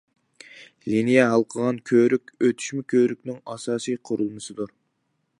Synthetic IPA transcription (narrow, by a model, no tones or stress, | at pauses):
linijɛɦɑlˠqʰəʁɑnkʲʰøɾykʲøt̪ʰy̥ʃmɪkʲʰøɾyk̚ʲnɪŋɑsɑːsijqʰʊɾulˠmɨsɨd̪uɾ